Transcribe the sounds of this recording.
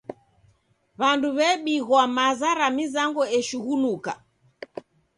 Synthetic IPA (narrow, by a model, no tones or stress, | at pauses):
βanduβɛɓiɣwamazaɾamizaŋɡɔɛʃuɣunuka̰